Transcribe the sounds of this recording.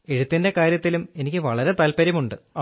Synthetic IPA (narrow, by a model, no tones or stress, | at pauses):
e̞ɻut̪ːinde̞kaːɾjɐt̪ːilume̞nikʲːɨʋɐɭɐɾe̞t̪ɐlpɐɾjɐmuɳɖɨ